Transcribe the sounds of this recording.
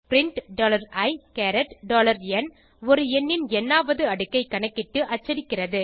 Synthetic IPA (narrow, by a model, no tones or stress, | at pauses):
pɪɾɪɳʈɖoːlɐɾɐɪkɛɾɛʈɖoːlɐɾɛn | ɔɾɯɛnːɪnɛnːaːʋɐðɯɐɽɯkːɐɪkːɐɳɐkːɪʈːɯʔɐt͡ʃːɐɾɪkːɪrɐðɯ